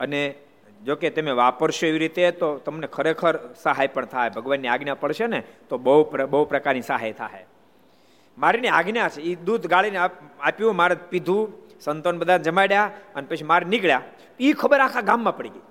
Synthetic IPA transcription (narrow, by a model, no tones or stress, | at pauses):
əne | d͡ʒoket̪emeʋapəɾʃoeʋiɾit̪et̪ot̪əmnekʰəɾekʰəɾsəɦajpəɳt̪ʰaɦebʱəɡʋanːiaɡnjapəɭʃenet̪obəɦuəbəɦupɾəkaɾnisəɦajt̪ʰa̰ɦḛ | maɾiniaɡnjat͡ʃʰeid̪ud̪ʱɡaɭineaapjũmaɾepid̪ʱũ | sənt̪onbəd̪ʱand͡ʒəmajɽjaənepət͡ʃʰimaɾenikɭja | ikʰəbəɾakʰaɡãmːãpəɽiɡəi